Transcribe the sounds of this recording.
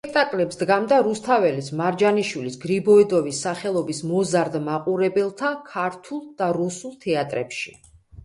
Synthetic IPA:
spʼɛk̚ʰt̪ʼakʼlɛpsd̪ɡamd̪aɾust̪ʰavɛlismaɾd͡ʒaniʃwilisɡɾibɔid̪ɔvisːaχɛlˠɔbismɔzaɾd̪maqʼuɾɛbɛlˠt̪ʰakʰaɾt̪ʰulˠd̪̥aɾusulˠt̪ʰɛat̪ʼɾɛ̰pʃḭ

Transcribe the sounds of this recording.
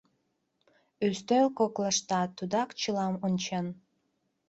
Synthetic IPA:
øst̪ølkokləʃt̪ɑt̪ud̪ɑkt͡ɕɨlɑmont͡ɕen

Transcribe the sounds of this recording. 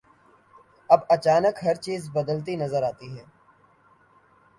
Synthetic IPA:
ɐbɐt͡ʃaːnəkɦɐɾt͡ʃiːzbɐd̪əlt̪̬inɐzəɾaːt̪iɦɛː

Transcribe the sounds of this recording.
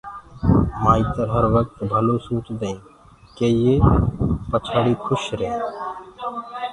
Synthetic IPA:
maːit̪əɾɦəɾʋək̚t̪bʱəlõːsũːt͡ʃd̪eĩː | keːjeːpət͡ʃʰaːɽiːkʰʊʃɾeː

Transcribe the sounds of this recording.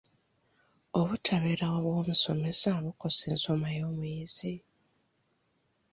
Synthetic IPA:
oβutʰaβeɾawaβwo̞ːmuso̞me̞saβukoseːnso̞majo̞ːmwizi

